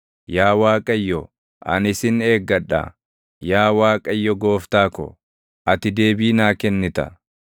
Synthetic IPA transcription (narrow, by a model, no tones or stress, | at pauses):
jaːwaːkʼɐjːɔ | ʔɐ̰nɪsɪne̞ːɡːɐᶑɐ̰ | jaːwaːkʼɐjːɔɡo̞ːft̪aːkɔ̰ | ʔɐt̪ɪd̪e̞ːbiːnaːkɛnːɪt̪ɐ̰